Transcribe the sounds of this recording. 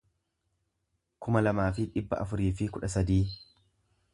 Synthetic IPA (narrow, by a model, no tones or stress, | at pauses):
kʊmɐlɐmaːfɪᶑɪbːɐʔɐfʊɾiːfɪkʊᶑɐsɐd̪iː